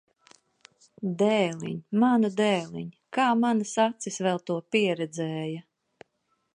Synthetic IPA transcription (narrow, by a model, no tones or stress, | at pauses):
d̪ɛːlḭɲʲmanud̪ɛːlˠḭɲ | kaːmanasat̪sisvɛlˠt̪uɔpiɛɾɛd̪zɛːjɐ